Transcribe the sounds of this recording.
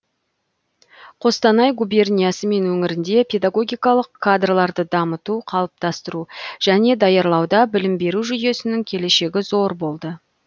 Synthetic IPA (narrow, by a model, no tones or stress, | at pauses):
qʰo̞st̪ɑnɑjɡube̞rnʲijasəme̞nwɵŋɪɾɪnd̪e̞pʲʰe̞d̪aɡo̞ɡʲijkɑlˠəqʰːad̪rlˠɑɾd̪əd̪ɑmət̪uqʰɑlˠəp̚t̪ɑst̪əɾuʒ̥æne̞d̪ɑjɑɾlˠɑwd̪ɑbɪlɪmbe̞ɾuʒʏje̞sɪnɪŋkʲʰe̞le̞ʃe̞ɡʲɪzo̞ɾbo̞lˠd̪ə